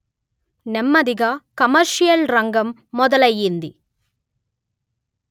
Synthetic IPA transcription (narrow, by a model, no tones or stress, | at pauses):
nɛmːɐd̪iɡɐkɐmɐɾʃijɐlɾɐŋɡɐmːɔd̪ɐlɐjːind̪i